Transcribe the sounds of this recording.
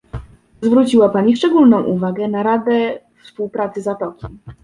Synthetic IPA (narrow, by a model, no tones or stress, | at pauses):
zvɾut͡ɕiwapaɲifʂt͡ʂɛɡulnɔ̃w̃ʔuvaɡɛnaɾad̪ɛfspuwpɾat̪sɘzat̪ɔkʲi